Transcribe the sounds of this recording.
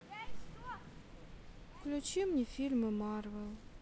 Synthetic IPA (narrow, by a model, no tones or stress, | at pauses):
klʲut͡ʃimnʲifʲilʲmɨmarvɛlˠ